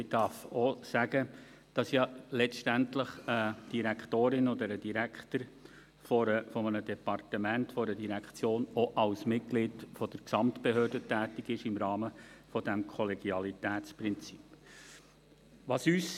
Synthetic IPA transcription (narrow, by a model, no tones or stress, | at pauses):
ɪd̥ɑɾfɔsæɡ̥ə | d̥ɑsjɑlɛʃtæntləχəd̥iɾækʰtoːɾɪnɔd̪əɾəd̥iɾækχt̪əɾ | fɔɾəfɔmənədɛpɑrtəmæntfɔɾədiɾækχt͡sjoːnɔʔɑlsmɪt̚ɡ̥lɪːdfɔd̥əɾksɑmtb̥eɦøːrdətæːtɪɡɪʃɪmɾɑːməfɔd̥æmkʰɔlɛɡ̥jɑlitæːtt͡sprɪnt͡si̥p | ʋɑsyːs